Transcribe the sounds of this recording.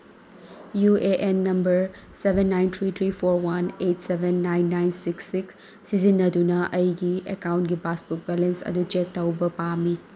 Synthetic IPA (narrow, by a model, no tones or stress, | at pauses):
jueʔenːɐmbɐɾ | sebʱenːajnt̪ʰɾit̪ʰɾipʰoɾwɐnetsebʱenːajnːajnsiksːiksː | izinːɐdunɐʔɐjɡiekawntɡibaspuk̚belensɐ̰dut͡ʃetːawbɐpami